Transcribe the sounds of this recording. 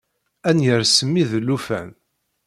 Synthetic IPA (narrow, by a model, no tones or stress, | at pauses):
ænjəɾsəmːiðlːufæ̰n